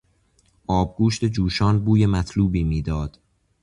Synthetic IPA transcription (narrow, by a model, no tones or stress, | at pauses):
ʔɒːb̚ɡuːʃt̪e̞d͡ʒuːʃɒːnbuːjemæt̪ʰluːbiːmiːd̪ɒːd̪̥